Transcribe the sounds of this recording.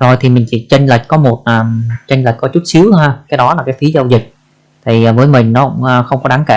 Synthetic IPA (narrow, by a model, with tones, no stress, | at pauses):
zo˨˩jt̪ʰi˨˩mï˨˩ŋ̟t͡ɕḭ˧˩t͡ɕə˧ŋ̟lə˨˩jk̟̚kɔ˨˦mo˨˩t̚ʔəː˨˩mt͡ɕə˧ŋlə˨˩jk̚kːɔ˨˦t͡ɕu˦˥t̚si˨˦əwaː˧kaː˨˦jɗɔ˨˦laː˨˩kaː˨˦jfi˨˦zə˧wzi˨˩k̚ | t̪ʰi˨˩˨vəː˨˦jmï˨˩ŋ̟nɔ˨˦kʊ̰˧˥ŋ͡məː˧xə˧wŋ͡mkɔ˨˦ɗaː˨˦ŋke˧˨